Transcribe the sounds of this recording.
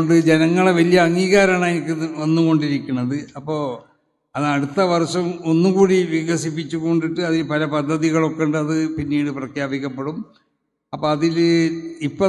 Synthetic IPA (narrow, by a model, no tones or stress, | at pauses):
ɳɖɨd͡ʑe̞nɐŋːɐɭeʋɐlijɐːŋːiːɣaːɾaːɳaːjinikʲːɨʋɐnːuɣo̞ɳɖiɾikʲːunːɐðɨɐpːo̞ː | ɐðɨɐɽut̪ːɐʋɐrʂɐmo̞nːukuːɽiʋiɣɐsip̬ːit͡ɕːukoɳɖiʈːɨɐðilpɐlɐpɐd̪ʱːɐðiɣɐɭo̞kːeɳɖɨɐðɨpinːiːɽɨprɐkʰjaːbikʲːɐpːe̞ɽum | ɐpːoɐðilipːɐ